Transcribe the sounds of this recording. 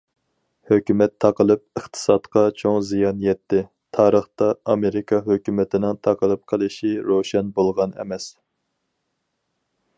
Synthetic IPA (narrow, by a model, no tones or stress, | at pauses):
høkʲymɛt̪ʰːɑqəlˠɨp̚əχt̪ʰɨ̥sɑt̪qʰɑt͡ʃʰoŋzijɑnjɛt̪ʰːɪ | t̪ʰɑːɾəχt̪ɑɑmeɾɪkʰɑɦøkʲymɪt̪ʰɪnɪŋt̪ʰɑqəlˠɨp̚qʰəlˠɨʃiɾoʃɛnbolˠʁɑnɛ̰mɛs